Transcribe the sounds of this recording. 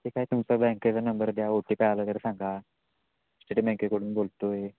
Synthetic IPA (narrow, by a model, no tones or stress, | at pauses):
t̪ekaɦit̪umt͡səbɛ̃ŋket͡sənəmbəɾd̪jaoʈːiːpɛɭaləːt̪əɾsãŋɡa | sʈeʈibɛ̃ŋkekəɽuːnbolt̪oe